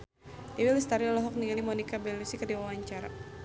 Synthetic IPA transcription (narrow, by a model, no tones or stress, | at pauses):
diwilist̪aɾilɔɦɔk̚niŋalimɔnikabɛlusikərdiwawaɲt͡ʃaɾa̰